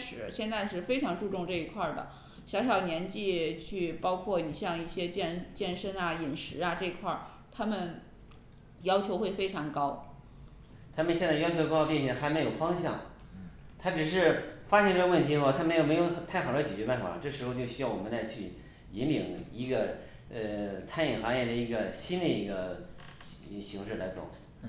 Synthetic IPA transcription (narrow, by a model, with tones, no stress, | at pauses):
ʂɻ̩˨˩˥ɕjɛ˥˧nt͡sa˥˧ɪʂɻ̩˥˩fe˥ɪʈ͡ʂʰɑ˧˥ŋʈ͡ʂu˥˧ʈ͡ʂʊ˥˧ŋʈ͡ʂɤ˥˩i˧˥kʰwa˥˩d̪ə̰˩ | ɕjɑ˧˥ʊɕ̬jɑ˨˩ʊnjɛ˧˥nt͡ɕi˥˧t͡ɕʰy˥˩pɑ˥ʊkʰwɔ˥˩ni˨˩ɕjɑ˥˧ŋi˥˩ɕjɛ˥t͡ɕjɛ˥˩˧nt͡ɕjɛ˥˩nʂə˥na˨i˨˩nʂɻ̩˧˥ɐ˧ʈ͡ʂɤ˥˧i˧˥kʰwa̰˥˩ | t̪ʰa˥mə˨n | jɑ˥ʊt͡ɕʰjo˧˥ʊxwe˥˩ɪfe˥ɪʈ͡ʂʰɑ˧˥ŋkɑ˥ʊ | t̪ʰa˥mə˨nɕjɛ˥˧nt͡sa˥˩jɑ˥ʊt͡ɕʰo˧˥˧xpjɛ˥˧nɕjɛ˥˩ŋxa˧˥ɪme˧˥ɪjo˨˩ʊfɑ˥ŋɕjɑ̰˥˩ŋ | t̪ʰa˥ʈ͡ʂɻ̩˨˩ʂɻ̩˥˧fa˥ɕjɛ˥˧nʈ͡ʂɤ˥˩ɡə˧wə˥˩nt̪ʰi˧˥ɔ˥˧t̪ʰa˥mə˧˥jo˨˩m˧˥ɪjʊ˥˩˧t̪ʰa˥˩ɪxɑ˨˩lə˧˥t͡ɕɛ˨˩t͡ɕɥɛ˧˥pa˥˧n˩˥˩a̰˨˩ʈ͡ʂɤ˥˩ʂɻ̩˧˥xo˧t͡ɕo˥˧ɕy˥jɑ˥˩wɔ˨˩mə˦nla˧˥ɪt͡ɕʰy˥˩ | i˧˥nlḭ˨˩˦ŋi˧˥ɡə˧ | ə˧t͡sʰa˥ni˨˩nxɑ˧˥ŋjɛ˥˩d̪ə˩i˧˥ɡə˧ɕi˥nd̪ə˨i˧˥ɡə˧ | ɕi˧˥ŋʂɻ̩˥˩la˧˥ɪt͡so̰˨˩˦